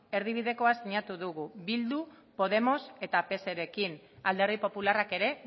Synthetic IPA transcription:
e̞ɾð̞iβ̞iðe̞ko̞asiɲat̪uðuɣuβild̪u | po̞ð̞e̞mo̞se̞t̪ape̞se̞ɾe̞kin | ald̪e̞ɾðipo̞pularake̞ɾe̞

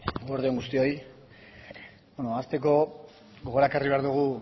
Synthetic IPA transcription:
oɾðeoŋɡust̪io̞j | bonoast̪e̞ko̞ | ɡo̞ɣo̞ɾakariβe̞aɾðuɣ̞u

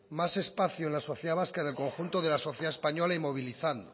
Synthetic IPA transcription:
mase̞spaθjoenlasoθjeðaβaskaðelko̞ŋxunt̪oðe̞laso̞θjeðaespaɲolaimoβ̞iliθand̪o

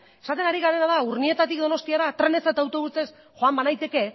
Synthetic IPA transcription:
e̞sat̪e̞naɾiɣaɾe̞naðauɾnie̞t̪at̪ikd̪o̞no̞st̪iaɾat̪ɾe̞ne̞sat̪aːwt̪o̞βut͡se̞s | ʝo̞ambanajt̪e̞ke̞

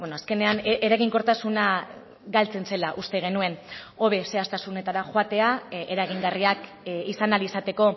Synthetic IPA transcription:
benoaske̞ne̞aneɾaɣiŋkoɾt̪asuna | ɡalt͡se̞nse̞laʔust̪e̞ɣ̞e̞nue̞n | o̞βe̞se̞ast̪asune̞t̪aɾaxoat̪e̞aeɾaɣ̞iŋɡariak | isanalisat̪e̞ko̞

